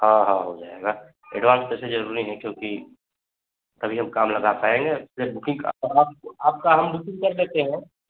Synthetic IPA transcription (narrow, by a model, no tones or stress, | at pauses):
hãɦãɦod͡ʒaːeɡa | ḛɖʋãːnst̪ɛsed͡ʒɐɾuɾĩɦɛ̃kjõki | t̪ɐbʱiɦɐmkaːmlɐɡapaːẽŋɡezeɾbʊkɪ̃ŋɔɾaːp̚aːp̚kaɦɐmbʊkɪ̃ŋɡkɐɾleːt̪eɦɛ̃